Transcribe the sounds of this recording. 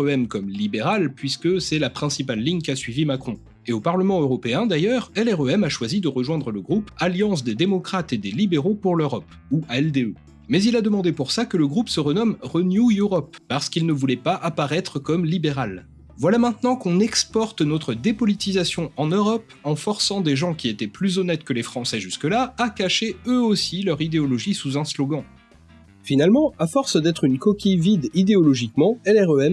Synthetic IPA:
øɛmkɔmlibeʁalpɥiskəsɛlapχɛ̃sipalːiɲkasɥivimakχɔ̃ | eopaʁləmɑ̃øʁɔpeɛ̃d̪ajœʁɛlɛʁøɛmaʃwazid̪əʁəʒwɛ̃d̪ʁələɡʁupaljɑ̃s̬d̪ed̪emɔkχat̪ed̪elibeʁopuʁløʁɔp | uaɛld̪eø | mɛzilad̪əmɑ̃d̪epuʁsakələɡʁupsəʁənɔmʁənjujuʁɔpːaʁsə̥kilnəvulɛpaʔapaʁɛt̪χəkɔmlibeʁal | vwalamɛ̃t̪nɑ̃kɔ̃nɛkspɔʁt̪nɔt̪χəd̪epɔlit̪izasjɔ̃ɑ̃nøʁɔp | ɑ̃fɔʁsɑ̃d̪eʒɑ̃kʲiet̪ɛplyzɔnɛt̪kəlefχɑ̃sɛʒyskəlaakaʃeøosilœʁid̪eɔlɔʒisuzɛ̃slɔɡɑ̃ | finalmɑ̃afɔʁsd̪ɛt̪χynkɔkʲivid̪id̪eɔlɔʒikmɑ̃ɛlɛʁøɛm

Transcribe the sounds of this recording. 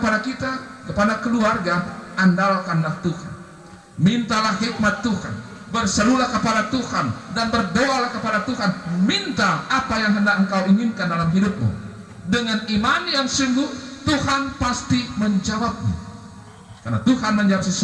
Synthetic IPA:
əpadakit̪akəpadakəluarɡaʔandalkanlaht̪uha̰n | mint̪alahɦik̚mat̪ːuha̰nbərsəɾulahkəpadat̪uhandanbərdoalahkəpadat̪uɦanmint̪aːpajaŋɦəndak̚əŋ̩kawiŋɪnkandalamɦidʊp̚mṵ | dəŋanimanijaŋsuŋɡuht̪uhanpast̪iməɲd͡ʒawap̚ɲṵ | karnat̪uɦanməɲd͡ʒawap̚səsu

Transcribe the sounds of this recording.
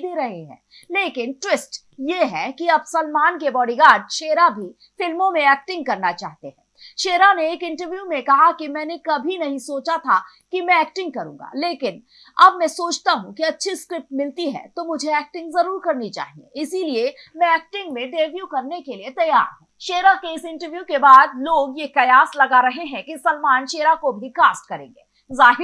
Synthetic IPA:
d̪eɾɐɦeɦɛ̰̃ː | leːkɪnʈwɪsʈ | jeɦɛkiɐbsɐlmaːnkebɔːɖiɡaːɖ̚ʃeːɾabʱi | fɪlmõmẽɛːk̚ʈɪ̃ŋɡ̚kɐɾnat͡ʃa̰ːɦt̪eɦɛ̰̃ːʃeːɾaneeːkɪ̃ɳʈəɾʋjuːmẽkɐɦakimɛ̃ːnekɐbʱinɐɦĩsoːt͡ʃat̪ʰa | kimɛ̃ɛːk̚ʈɪ̃ŋɡ̚kɐɾṵ̃ːŋɡa̰leːkɪn | ɐbmɛ̃soːt͡ʃt̪aɦũkiɐtːʃʰiskɾɪp̚ʈmɪlt̪iɦɛ̰t̪omʊd͡ʒʱeɛːk̚ʈɪ̃ŋɡzɐɾuːɾkɐɾnit͡ʃa̰ːɦĩḛɪsiliemɛ̃ɛːk̚ʈɪ̃ŋɡmẽɖeːʋjukɐɾnekeliet̪ɐja̰ːɾɦɛ̰̃ːʃeːɾakeɪsɪ̃ɳʈəɾʋjukebaːd̪loːɡjekɐjaːslɐɡaɾɐɦeɦɛ̃kisɐlmaːnʃeːɾakobʱikaːsʈ̚kɐɾẽːŋɡeː | zaːɦɪɾ

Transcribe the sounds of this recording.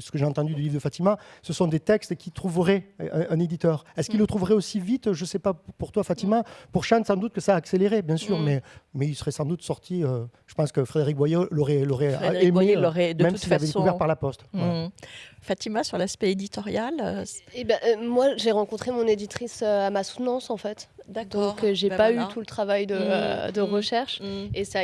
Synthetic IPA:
sə̥kəʒeɑ̃t̪ɑ̃d̪yd̪ylivʁd̪əfat̪imasəsɔ̃d̪et̪ɛkst̪kʲit̪χuvəʁɛɛ̃ɛ̃ned̪it̪œʁɛskilːət̪χuvəʁɛosivit̪ʒəsɛpapuʁt̪wafat̪imapuʁʃɛ̃nsɑ̃d̪ut̪̚kəsaːkseleʁebjɛ̃syʁmɛmɛilsə̥ʁɛsɑ̃d̪ut̪sɔʁt̪ʰiøʒ̥ə̥pɑ̃skəfχed̪eʁik̚bwajeloʁɛloʁɛemeoʁɛd̪mɛmsiiavɛd̪ekvɛʁpaʁlapɔst̪ | fat̪imasyʁlaspɛed̪it̪ɔʁjalebɛ̃mwaʒeʁɑ̃kɔ̃t̪χemɔ̃ned̪it̪χisøamasu̥t̪nɑ̃sɑ̃fɛt̪d̪ad̪ɔ̃kʒepayt̪ulət̪χavajd̪ə̰d̪əʁəʃɛʁʃesa

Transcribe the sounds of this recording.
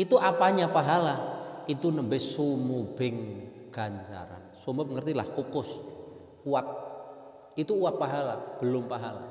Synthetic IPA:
it̪uʔapaɲapaɦalait̪unəmbɛsumubɪŋ | ɡ̥aɲt͡ʃa̰ɾa̰nsoməbəŋərt̪ilahkokʊs | uat̪̚ | it̪uːap̪̚paɦalab̥əlʊmpaɦala̰

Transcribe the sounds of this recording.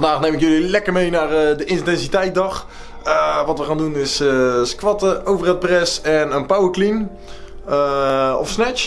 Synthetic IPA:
fndaːχnejmɪkjɵlilɛkəɹmejnaːrədəʔɪntɛnzitɛjt̚dɑχ | əʋɑtʋəχaːndunɪsskʋɑtəowvərɛt̚prɛsɛnənpawəɹklin | əɔ̰fsnɛt͡ʃ

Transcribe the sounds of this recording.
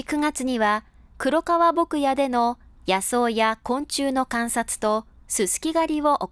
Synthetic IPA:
kɯ̟ŋat͡sɨɲ̟iβa | kɯ̟ɾo̞kaβabo̞kɯ̟jad̪e̞no̞ | jaso̞ːjakõ̞ɲ̟t͡ɕɨːno̞kãɰ̃sat͡sɨ̥t̪o̞ | sɨsɨ̥kʲiɡaɾʲiβo̞ʔo

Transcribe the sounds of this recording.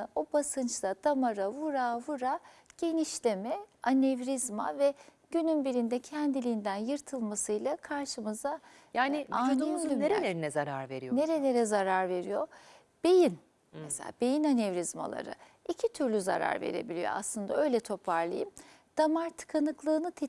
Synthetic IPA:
obasɯnt͡ʃt̪ad̪̥amaɾavuɾavuɾaɟ̥e̞niʃlʲe̞mɛanevɾizma̰vɛɟ̥ynynbiɾind̪ɛcʰænd̪ilʲiːnd̪ænjɯɾt̪ʰɯlˠmasɯjlˠakʰaɾʃɯmɯza | jaːnianeimneɾelʲeɾinɛzaɾaɾveɾijne̞ɾe̞lʲe̞ɾɛzaɾaɾve̞ɾḭjo | b̥e̞jin | mɛsela̰ːbe̞jinanevɾizma̰lˠa̰ɾɯ̰ | icʰit̪ʰyɾlʲyza̰ɾa̰ɾvḛɾe̞̰bilʲijo̞̰a̰slˠɯnd̪aø̞jlʲɛt̪ʰo̞pʰaɾlˠɯ̰jimd̪̥amaɾt̪ʰɯ̥kʰanɯklˠɯːnɯt̪ʰe

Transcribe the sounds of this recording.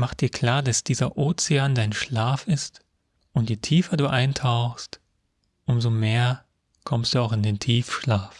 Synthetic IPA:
maχt̚d̥iːɐkʰl̥aːɐdasd̥iːzɐʔoːt͡sɪaːndaɪnʃlaːfɪst | ʔʊntjeːtʰiːfɐduːʔaɪntʰaʊxst | ʔʊmzomeːɐ | kʰɔmstd̥uːaʊxɪndeːntʰiːfʃlaːf

